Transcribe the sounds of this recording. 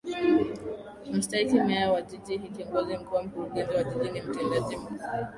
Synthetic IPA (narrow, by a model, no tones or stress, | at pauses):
m̩staikimɛawad͡ʒid͡ʒiɦikiɔŋɡɔzim̩kuwam̩kuɾuɡɛnziwad͡ʒid͡ʒinim̩tɛndaʄimu